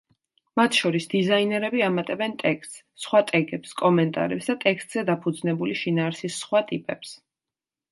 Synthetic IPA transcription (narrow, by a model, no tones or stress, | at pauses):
mat̪ʰʃɔɾisd̪izainɛɾɛbiamat̪ʼɛbɛnt̪ʼɛkst̪ʼssχwat̪ʼɛɡɛpskʼɔmɛnt̪ʼa̰ɾɛpsd̪at̪ʼɛkst̪ʼz̥ɛd̪apʰud̪znɛbuliʃinaːɾsisːχwat̪ʼipʼɛps